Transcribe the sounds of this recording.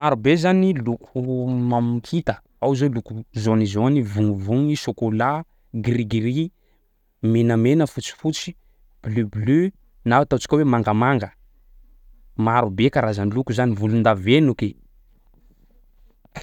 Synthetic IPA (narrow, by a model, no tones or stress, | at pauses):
aɾubezanilukʰumamikʰit̪ə | awzolukuzonizonivuŋvuŋiʃokola | ɡriɡiɾi | menəmenəfut͡si̥fut͡si̥ | b̥lybly | naat̪at͡si̥kʲowemaŋɡəmaŋɡə | maɾubekaɾazanilukuzanivulund̪avenuki